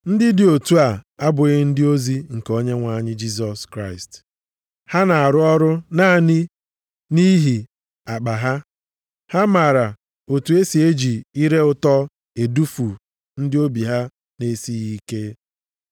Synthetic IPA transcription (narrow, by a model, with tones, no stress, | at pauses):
n̩˦dɪ˦dɪ˨o˨tu˦a˨a˦bʊ˨ɣɪ˦n̩˦dɪ˦o˦zi˦ŋ̩˨ko˦ɲe˦ŋʷa˨ɲɪ˦d͡ʒi˦s̬ɔ˨skɾa˦˨ɪ˨st | ha˦na˨a˨ɾʊ˦ɔ˦ɾʊ˦naː˦˨nɪ˦ | ni˦ɦi˨ | a˨k͡pa˨ɦa˦ | ha˦ma˨ɾa˨ | o˨tu˨e˦si˨e˦d͡ʒi˨i˦ɾe˦ʊ˦tɔ˦ | e˨du˦fu˨ | n̩˦dɪ˦o˦bi˨ɦa˦ | ne˦si˦ɣi˦ke˦